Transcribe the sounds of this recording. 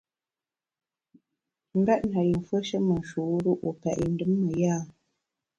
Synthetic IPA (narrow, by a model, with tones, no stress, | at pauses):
ŋ̩˦ɡa˦ʔ̚na˨ji˨ɱ˨fwə˦ʃə˦mə˨n˨ʃu˨˦ɾu˦ʔu˨pɛ̰˨ʔn̩˦dɨ˦mːə˨jaː˦˨